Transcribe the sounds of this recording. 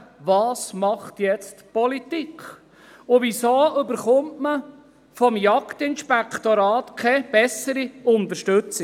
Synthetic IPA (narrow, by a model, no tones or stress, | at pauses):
vɑːsmɑχt̪jɛt͡stpɔlit̪ikʰχ | ʊvisoːʏbəɾχʊmtmə | fɔmjɑktɪnʃpɛkʰt̪oɾɑːtkʰɛb̥ɛsəɾiʊnt̪əɾʃtʉt͡sɪ